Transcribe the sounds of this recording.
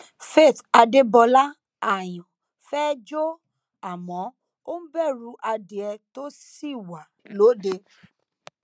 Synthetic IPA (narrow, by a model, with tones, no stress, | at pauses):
fe˦˨ta˧de˦bɔ˧la˦ | a˨j̃ɔ̃˨ | fɛ˦d͡ʒo˦ | a˨mɔ̃˨˦ | o˦n̩˦bɛ˦˨ɾu˧ʔa˧de˧ɛ˧to˦si˦˨wa˨lo˨˦de˧